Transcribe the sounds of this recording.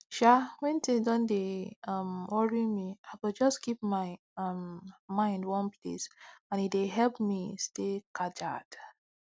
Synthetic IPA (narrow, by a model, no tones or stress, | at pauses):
ʃawɛ̃ntĩdɔ̃ndeʌmwɔɹimiaɪkud͡ʒɔskip̚maɪ | ʌmmãɪ̃ndwɔ̃npʰlḛsãnideɦɛlpmistekad͡ʒa̰d̥